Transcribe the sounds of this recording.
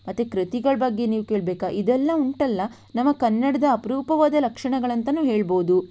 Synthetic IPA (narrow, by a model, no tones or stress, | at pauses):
mɐt̪ːukɾit̪iɡɐɭɐbɐɡːe̞niːʋukeːɭbeːkaʔid̪ɛlːɐuɳʈɐlːɐ | nɐmːɐkɐnːɐɽɐd̪ɐːpɐɾuːpɐʋaːd̪ɐlɐkʂɐɳɐɡɐɭɐnt̪ɐnuːɦeːɭboːd̪u